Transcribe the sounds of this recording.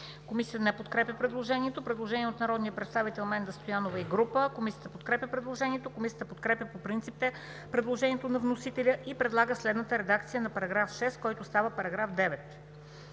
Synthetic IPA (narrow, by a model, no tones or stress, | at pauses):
komisijət̪ənɛpot̪kɾɛpʲjəpɾɛd̪lˠoʒɛniɛt̪opɾɛd̪lˠoʒɛniɛot̪nɐɾɔd̪nijəpɾɛt̪st̪avit̪ɛlˠmɛnd̪ɐst̪ojanovəiɡɾupəkomisijət̪əpot̪̚kɾɛpʲjəpɾɛd̪lˠoʒɛniɛt̪okomisiət̪əpot̪̚kɾɛpʲjəpopɾint̪ipt̪ɛ | pɾɛd̪lˠoʒɛnʲiɛt̪onɐvnosit̪ɛlʲəʔipɾɛd̪lˠaɡəslɛd̪nət̪əɾɛd̪akt̪sijənɐpɐɾɐɡɾafʃɛst̪kɔjt̪oːst̪avəpɐɾɐɡɾafd̪ɛvɛt̪